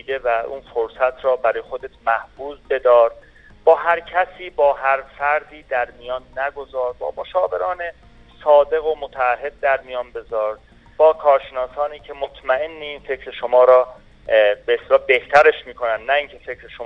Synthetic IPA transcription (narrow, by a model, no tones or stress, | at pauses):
id̪e̞væṵːnfoɾsæt̪ʰɾɒːbæɾɒːjexod̪et̪ʰmæhbuːzbe̞d̪ɒːɾ | b̥ɒːɦæɾcʰæsiːbɒːɦæɾfæɾd̪iːd̪æɾmijɒːnːæɡo̞zɒːɾbɒ̰ːboʃɒːve̞ɾɒːne | sɒːd̪e̞ɣomot̪ʰææɦːe̞d̪̚d̪æɾmijɒːnbe̞zɒːɾ | b̥ɒːkʰɒːɾʃenɒːsɒːniːcʰe̞mot̪ʰmæe̞nːeiːnfe̞cʰɾeʃo̞mɒːɾɒː | beeːst̪elɒːbe̞ht̪ʰæɾeʃmiːkʰo̞nænd̪næiːŋcʰe̞fecʰɾeʃo